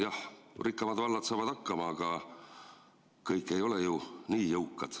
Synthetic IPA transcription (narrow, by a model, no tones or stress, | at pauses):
jɑhrikːˑɑmɑd̪vɑlːɑd̪sɑːvɑd̪̥ɑkːɑmɑɑɡ̥ɑ | kɤjkːˑe̞jo̞le̞juniːjɤwkːˑɑd̪̥